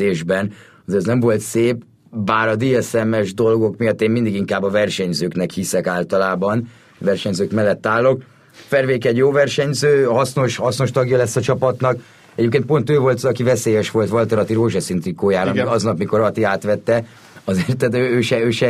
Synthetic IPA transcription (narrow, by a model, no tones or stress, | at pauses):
eːʒbɛn | zeːɾɛznɛɱvo̞lt̪seːp | baːɾɒd̪iɛsɛmɛʒd̪o̞lɡo̞kmijɒt̪ːeːnmind̪iɡiŋkaːbɒvɛrʃɛɲzøːknɛkhisɛkaːlt̪ɒlaːbɒn | vɛrʃɛɲzøːkmɛlːɛt̪ːaːlːo̞k̚ | fɛrveːkɛɟjoːvɛrʃɛɲzøːhɒsno̞ʃhɒsno̞ʃt̪ɒɡjɒlɛsːɒt͡ʃɒpɒt̪nɒk | ɛɟeːpkeːn̚po̞nt̪øːvo̞lt̪ɒkivɛseːjɛʃʋo̞lt̪ʋɒlt̪ɒɾɒt̪iɾoːʒɛsint̪rikːoːjaːɾɔmiɒznɒpmiko̞ɾɒt̪iaːt̪ʋɛt̪ːɛ | ɒzert̪ːɛt̪øːøːʃɛøːʃɛ